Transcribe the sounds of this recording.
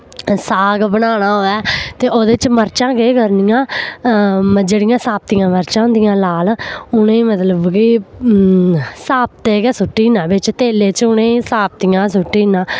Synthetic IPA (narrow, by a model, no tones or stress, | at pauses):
saːɡbənaːnaːɦoːɛːt̪eːʔoːd̪eːt͡ʃməɾt͡ʃãːkeːkəɾnɪjãː | md͡ʒeːɽɪjãːsaːp̚t̪iːjãːməɾt͡ʃãːʊnd̪ɪjãːlaːlʊnẽːmət̪ləbɡiː | saːp̚t̪eːɡɛːsʊʈːiːnãːbɪt͡ʃt̪eːleːt͡ʃʊnẽːsaːp̚t̪ijãːsʊʈːiːnãː